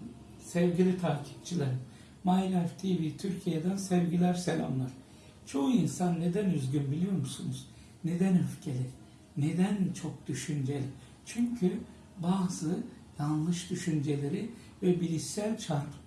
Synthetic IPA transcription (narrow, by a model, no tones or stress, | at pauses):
sɛvɟilʲit̪ʰaːcʰi̥p̚t͡ʃʰilˠaɾɯm | majnæft̪ʰivit̪ʰyɾcʰijed̪ænsɛvɟilʲæɾselʲa̰mlˠaɾ̥ | t͡ʃʰo̞ɦuinsanːe̞d̪ænyzɟʲynbilʲijo̞ɾmusunuz̥ | ne̞d̪ænøfcʰe̞lʲæɾ | ne̞d̪ænt͡ʃʰo̞k̚d̪̥yʃynd͡ʒelʲɪ | t͡ʃʰyɲcʰy | baːzɯ | janlˠɯʃd̪̥yʃynd͡ʒe̞lʲe̞ɾi | vɛbilʲisælʲt͡ʃʰaɾp